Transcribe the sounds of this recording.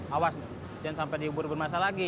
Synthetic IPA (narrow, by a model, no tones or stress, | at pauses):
awasna | d͡ʒansampɛdiubʊrbərmasalaɡi